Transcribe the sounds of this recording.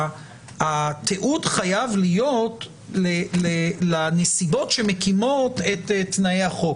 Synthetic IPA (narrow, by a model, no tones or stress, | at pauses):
at̪ʰeʔudχajavlijo̞t | lelelanesibo̞tʃe̞mekimotetetnaeaχo̞